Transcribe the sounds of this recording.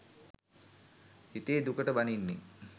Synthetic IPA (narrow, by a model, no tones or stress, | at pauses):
hit̪eːd̪ukəʈəbaninːi